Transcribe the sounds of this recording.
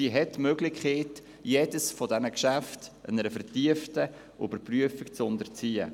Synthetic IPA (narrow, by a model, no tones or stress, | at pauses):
iɦɛtːmøɡlɪkʰχeːt | jeːdəsfɔdɛnəkʃæftənəɾəfəɾtiəftə | ʔø̰bəɾpryəfikt͡sʊndəɾt͡siːə̰